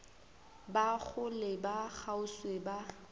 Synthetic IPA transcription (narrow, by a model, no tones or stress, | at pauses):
baɣʊlɪbak͡xaʊsweba